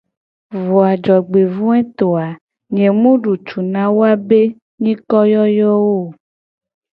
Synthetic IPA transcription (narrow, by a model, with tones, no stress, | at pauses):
vo˨a˨d͡ʒɔ˨ɡ͡be˨vũ˦ɛ˦t̪o˨a˨ | ɲẽ˨mũ˦ɖu˨t͡ʃu˨nã˦wo˦a˦be˦ | ɲĩ˦kɔ˦jɔ˦jɔ˦wo˦˨